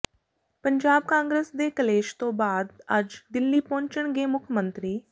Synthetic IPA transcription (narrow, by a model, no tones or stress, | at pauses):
pəɲd͡ʒaːb̚kãːŋɡɾesd̪eːkəleːʃt̪õːbaːd̪əd͡ʒd̪ɪlːiːpɔ̃ːɲt͡ʃəɳɡeːmʊkʰmə̃nt̪ɾiː